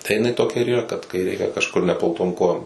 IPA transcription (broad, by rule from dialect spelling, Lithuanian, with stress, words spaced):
tɐɪ jɪˈnɐɪ toːˈkʲɛ ɪr iːˈrɐ kɐt kɐɪ ˈrʲɛɪkʲɛ kɐʃˈkʊr nʲɛplˠɐʊˈtoːm ˈkoːjoːm